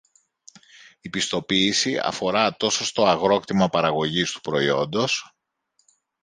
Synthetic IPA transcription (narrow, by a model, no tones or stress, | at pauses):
ipist̪o̞piːsiɐ̰fo̞ɾɐt̪o̞so̞st̪o̞ɐɣɾo̞kt̪imɐpɐɾɐɣo̞ʝist̪u̥pɾo̞io̞nd̪o̞s